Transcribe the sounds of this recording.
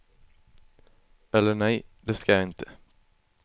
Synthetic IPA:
ɛlːəɳɛjd̪ɛskajaɪnt̪ʰə̥

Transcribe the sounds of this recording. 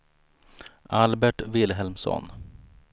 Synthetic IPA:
ʔalbɛʈvɪlɦɛlmsɔ̰n

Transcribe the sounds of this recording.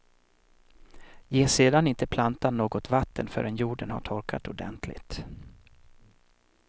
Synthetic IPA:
jeːseːd̪anɪnt̪əpʰlant̪anːoːɡɔt̪vat̪ːənfœ̰ɾɛnjuːɖənha̰ʈʰɔɾkʰa̰t̪ʊɖɛ̰nt̪ʰlɪ̰t̪

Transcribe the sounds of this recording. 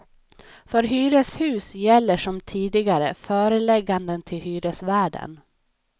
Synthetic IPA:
fœɾɦyːɾəshʉ̟ːsjɛlːəʂɔmt̪ʰiːd̪ɪɡaɾəfœːɾəlɛɡːand̪ənt̪ʰɪlhyːɾəsvæːɖə̰n

